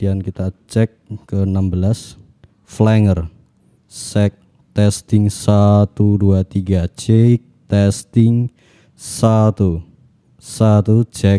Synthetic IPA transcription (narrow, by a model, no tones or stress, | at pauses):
diankit̪at͡ʃɛkːənambəlas | flɛŋər | sɛk̚ | t̪ɛst̪ɪŋsat̪uduat̪iɡat͡ʃek̚t̪ɛst̪ɪŋ | sat̪u | sat̪ut͡ʃɛ